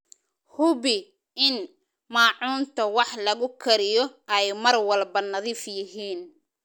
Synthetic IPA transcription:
hʊβɪ | ɪn | mɑːʕuːnt̪ʰɐwɑħlɐɣʊkʰɐɾɪjɔʔɛjmɐrwɐlbɐnɐðiːfjɪɦiːn

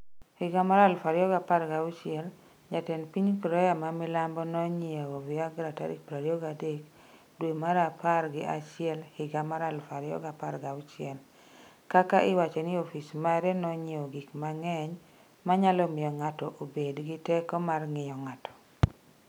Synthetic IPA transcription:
hɪɡamaɾalfaɾjɔɡapaɾɡaʊt͡ʃɪɛl | d͡ʒatɛnpiɲkɾɔjamamɪlambɔnɔɲɪaovɪaɡɾata̰ɾḭpɾaɾjɔɡadek | dwemaɾapʰarɡɪʔat͡ʃɪɛlhɪɡamaɾalfaɾɪjɔ̰ɡapaɾɡaʊt͡ʃɪɛl | kakaʔɪwat͡ʃɔnɪofismaɛɾɛnɔɲiɔɡikmaŋɛɲ | maɲalɔmɪɔŋatɔʔobedɡɪtɛkɔmarŋɪjɔŋatɔ̥

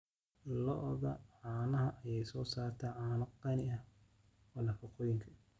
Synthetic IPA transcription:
lɔʔðɐʕɑːnɐɦɐʔɐjɛjsɔːsaːrt̪ʰɐʕaːnɐqɑnɪɐ | wɔːnɐfɑqɔːjɪŋkʰɐ

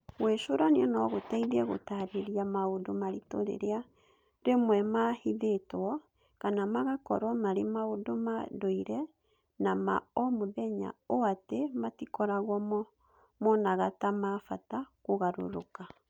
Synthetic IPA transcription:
ɣweʃoɾaneɛnɔɣotaiðɛɣo̰taɾeɾiamaodomaɾito̰ɾḛɾea | ɾemwɛmahiðetwɔ | kanamaɣakɔ̰ɾwɔmaɾemaodomadoiɾɛ | nama̰ɔmoðɛɲa̰oatematikɔɾaɣwɔm | mɔnaɣatamafatakoɣaɾo̰ɾoka

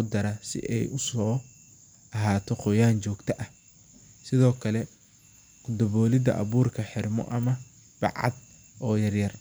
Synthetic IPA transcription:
ʊd̪ɐɾɐsɪ̰ʔɛ̰jʊsɔː | ɐɦaːt̪ʰɔqɔjaːnt͡ʃɔːɡt̪ʰɐʔɐh | sɪðɔːkʰɐlɛ | kʊd̪ɐβɔːlɪd̪ɐ̰ʔɐβuːrkʰɐħɪrmɔ̰ʔɐmɐ | b̥ɑ̰ʕɑ̰d̪ | ɔːjɐrjɐr

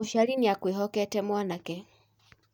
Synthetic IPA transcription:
uʃaɾiniakweɦɔkɛtɛmwanakɛ

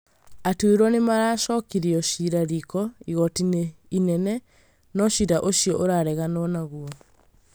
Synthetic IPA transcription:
atuweɾɔnemaɾaːʃɔkiɾiɔʃiɾaɾikɔiɣɔtineinɛnɛ | nɔʃiɾaʔoɕiɔʔoɾaɾɛɣanɔnaɣuɔ

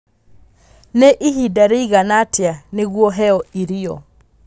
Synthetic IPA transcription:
neʔihidaɾeiɣanatjaneɣwɔɦɛɔiɾiɔ̰

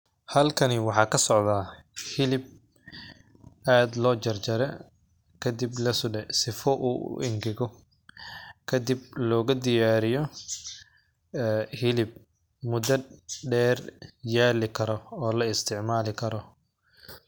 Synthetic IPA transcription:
hɐlkʰɐnɪwɑħɑːkʰɐsɔʕðaː | hɪlɪb̚ | aːd̪lɔːt͡ʃɐrt͡ʃɐɾɛ | kʰɐd̪iblɐsʊɖɛsɪfɔʔṵːʔʔɪ̰ŋɡɪɣɔ | kʰɐd̪ib̚lɔːɣɐd̪ɪjaːɾɪjɔ | hɪlɪb̚ | mʊd̪ɐɖɛːrjaːlɪkʰɐɾɔɔːlɐɪst̪ʰɪʕmaːlɪkʰɐɾɔ

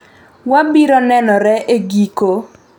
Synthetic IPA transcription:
wabiɾɔnɛnɔɾɛʔeɡiko

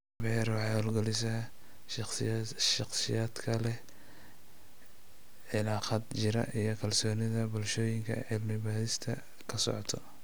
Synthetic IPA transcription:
bɛːɾwɑħɑhɔlɡɔlɪsɐ | ʃ | ʃɑqsɪjaːd̪kʰɐlɛ | ʕɪlaːqɐd̪t͡ʃɪɾɐ̰ʔijɞkʰɐlsɔːnɪðɐbʊlʃɔːjɪŋkʰɐ̰ʕɪlmɪβaːðɪst̪ʰɐ | kʰɐsɔ̰ʕɔt̪ʰɔ

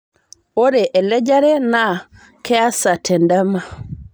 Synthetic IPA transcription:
ɔɾɛʔɛlɛd͡ʒaɾɛna | kɛasatʰɛndama

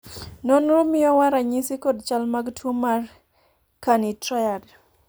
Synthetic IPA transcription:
nɔnɾomɪjɔwaɾaɲɪsikɔdt͡ʃalmaɡtʰomar | kanitɾajad

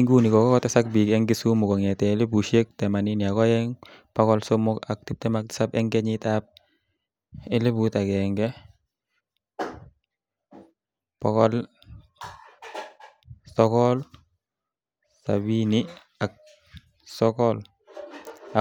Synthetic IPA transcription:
iŋɡunikɔkɔkɔtɛsak̚bikɛŋɡesumʊkɔŋɛtɛlebuʃek̚tɛmaniniakɔjɛŋ | pakɔlsɔmʊkak̚tip̚tɛmak̚tsapɛŋɡɛɲitap̚ | ɛlebutakɛŋɡɛ | pɔkɔl | sɔkɔl | sa̰bini | ak̚ | sɔkɔl | a

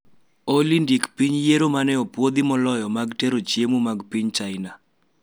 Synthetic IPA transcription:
olindikpiɲjeɾomanɛɔpwod̪imɔlɔjɔmaɡteɾot͡ʃjemumaɡpiɲt͡ʃaɪna

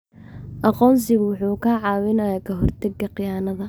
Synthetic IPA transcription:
ʔɑqɔːns̬ɪɣʊwʊħuːkʰɐʕɑːwɪnɐjaːkʰɐɦɔrt̪ʰɐɡːɐqɪjaːnɐðɐ

